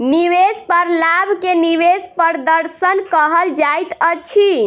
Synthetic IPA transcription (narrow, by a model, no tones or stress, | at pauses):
niwespəɾlabʱkeniwespəɾd̪əɾsənkəɦəld͡ʒajt̪ət͡ʃʰi